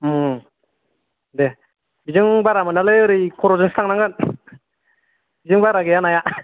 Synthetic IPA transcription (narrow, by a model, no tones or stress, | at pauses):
de | bizɯŋbaɾamɯnalɯɯɾɯjkʰɔɾɔzɯŋsɯ̥t̪ʰaŋnaŋɡɯn | bizɯŋbaɾaɡejanaja